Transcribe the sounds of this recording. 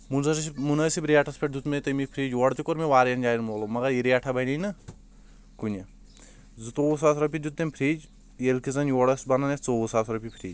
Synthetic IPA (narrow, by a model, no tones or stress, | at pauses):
munzɐsmunɐsibɾiaʈʰɐspʰeʈ̚d̪ut̪met̪ɐmipʰɾiːd͡ʒʋɐɽt̪ikoɾmeʋaːɾjɐnd͡ʒaːjinmoːlomɐɡɐɾiɾiaʈʰɐbɐninɨ | kunʲɐ | zut̪oːus̬aːsɾɐpʲid̪ut̪̚d̪ɐmʲpʰɾiːd͡ʒ | jelkizɐnjʋɔɽɐsbɐnɐnɐt͡soːusaːsɾɐpʲipʰɾiːd͡ʒ